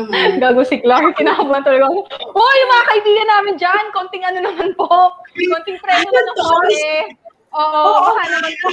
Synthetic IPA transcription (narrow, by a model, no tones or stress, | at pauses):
ɡaːɡʊsɪklaɹkɪnaːhɐmuːʔɐnt̪ɐlɐɡɐkoʔojʊmɐŋaːkɐʔɪbiːɡɐnaːmɪnd͡ʒɐnkont̪ɪŋɐnonɐmanpoʔkont̪ɪŋpɾɛːnonɐnokoɛ | ʔoːʔohanɐmanpo